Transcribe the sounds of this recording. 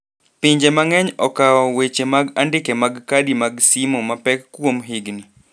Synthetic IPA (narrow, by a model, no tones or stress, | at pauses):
piɲd͡ʒemaŋɛɲɔkaɔwet͡ʃemaɡandɪkemaɡkadimaɡsimɔmapɛkːwomɦɪɡni